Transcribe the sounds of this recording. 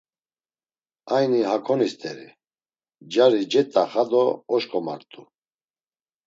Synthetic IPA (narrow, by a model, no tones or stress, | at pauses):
ajniɦakʰɔnist̪ʼɛɾḭ | d͡ʒaɾid͡ʒɛt̪ʼːaχad̪ɔɔʃkʰʼɔma̰ɾt̪ʼu